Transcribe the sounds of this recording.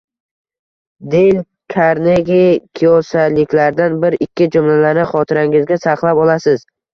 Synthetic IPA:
d̪ejɪl | kʲʰaɾneɡʲekʲʰijɒsalɪkʲlaɾd̪anbɪɾɪkʲʰːɪd͡ʒʊmlalanɪχɒt̪ʰɪɾaŋɪzɡʲasaqlˠapɒlˠasɪz̥

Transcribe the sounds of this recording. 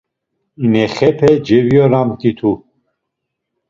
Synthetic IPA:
imɛχɛpʰɛd͡ʒɛviɔɾamt̪ʼit̪ʰu

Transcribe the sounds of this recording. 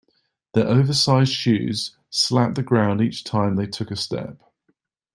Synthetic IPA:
ðəɹʔəʊvəsaɪz̥ʃʉ̰ːz̥ | slap̚ðəɡɹãʊ̃ndiˑt͡ʃtʰãɪ̃mðeɪtʰʊkəstɛ̰p̚

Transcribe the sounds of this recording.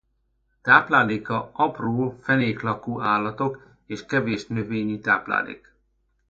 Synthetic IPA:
t̪aːplaːleːkɒɒproːfɛneːklɒkuːʔaːlːɒt̪ok | eːʃkɛveːʃnøveːɲit̪aːpla̰ːlḛːk

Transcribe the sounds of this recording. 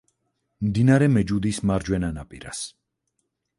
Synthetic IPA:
md̪inaɾɛmɛd͡ʒud̪ismaɾd͡ʒwɛnanapʼḭɾa̰s

